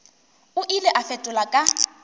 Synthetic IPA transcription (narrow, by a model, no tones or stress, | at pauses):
ʊʔilɛʔafɛtʼʊlakʼa